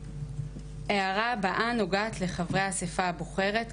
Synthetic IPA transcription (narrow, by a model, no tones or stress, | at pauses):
ʔe̞aʁabaʔano̞ɡaːtle̞χavʁe̞jasefaabuχe̞ʁe̞t